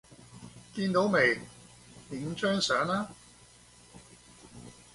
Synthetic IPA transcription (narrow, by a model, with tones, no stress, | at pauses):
k̪iː˧nt̪o˨˥wme˨˩j | mɪ˨˥ŋt͡ʃœː˥ŋsœː˨˥ŋaː˥